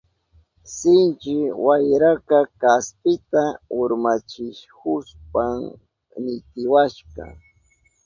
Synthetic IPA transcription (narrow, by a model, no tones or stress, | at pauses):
sɪnt͡ʃɪwajɾakakaspɪt̪aʊɾmat͡ʃɪʃkʊspam | nɪt̪ɪwaʃqɑ̰